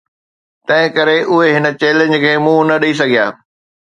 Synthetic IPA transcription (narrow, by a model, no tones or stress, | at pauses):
t̪ɐ̃ɦɪ̃kɐɾeʔʊɦeɦɪnə̆t͡ɕeːlɪ̃ɲd͡ʑkʰeːmũːnɐɗɐis̬ɐɡʱija̰ː